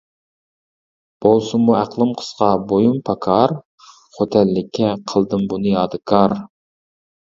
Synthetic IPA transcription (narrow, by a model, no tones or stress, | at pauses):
b̥olˠsumuæqlˠɨmqʰə̥sqɑbojumpʰɑkʰɑɾ | χot̪ʰɛlːɪkʲʰːɛqʰəlˠd̪ɨmbunɨjɑːd̪ɨkʰɑɾ